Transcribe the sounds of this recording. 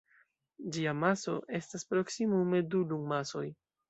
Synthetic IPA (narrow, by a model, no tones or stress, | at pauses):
d͡ʒiamaso̞̰ʔe̞staspɾo̞ksimume̞duluŋmaso̞j